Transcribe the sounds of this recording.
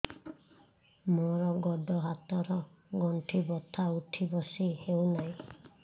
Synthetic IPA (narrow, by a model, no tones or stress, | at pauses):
moɾɔɡɔɖɔɦat̪ɔɾɔɡɔɳʈʰibɔt̪ʰauʈʰibɔsihewnaj̃